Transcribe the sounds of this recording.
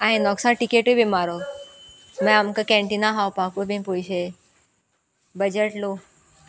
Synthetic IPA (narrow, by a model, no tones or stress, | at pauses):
aɦĩnɔksãʈikeʈobimaɾo | mẽamkakɛ̃ɳʈinaɦawpakubĩpojɕe | bəd͡ʑeʈlo